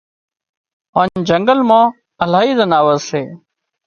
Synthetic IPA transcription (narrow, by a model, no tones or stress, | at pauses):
ãːnd͡ʒəŋɡəlmãː | əlaːɦiːzənaːʋəzseː